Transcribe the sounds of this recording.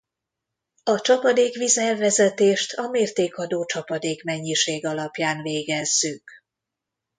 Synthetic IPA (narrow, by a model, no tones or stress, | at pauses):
ɒt͡ʃɒpɒd̪eːkʋizɛlvɛzɛt̪eːʃt̪ʰɒmeːrt̪eːkɒd̪oːt͡ʃɒpɒd̪eːkmɛɲːiʃeːɡɒlɒpjaːnveːɡɛzːyk